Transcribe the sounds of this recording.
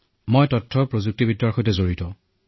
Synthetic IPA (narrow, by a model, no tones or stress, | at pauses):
mojtɔtʰːɔɹpɹozuk̚tibidaɹxɔjtɛzoɹitɔ